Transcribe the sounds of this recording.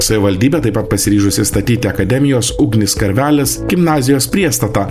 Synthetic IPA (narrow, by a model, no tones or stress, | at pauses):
sɐʋʲɪʋɐlʲd̪ʲiːbʲeːt̪ɐɪpɐt̪pɐsʲɪɾʲiːʒʊsʲɪst̪ɐt̪ʲiːt̪ʲɪɐkɐd̪ʲɛmʲɪjoːsʊɡnʲɪskɐɾʲʋʲæːlʲɛsɡʲɪmnɑːzʲɪjoːspʲɾʲiɛst̪ɐt̪ɑː